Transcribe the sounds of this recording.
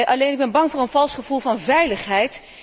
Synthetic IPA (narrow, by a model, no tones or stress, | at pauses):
ʔɑlejnɪɡ̚bɛnbɑŋvʊːɹənvɑlˠsχəv̥ulˠvɑnvɛjləχɦɛjt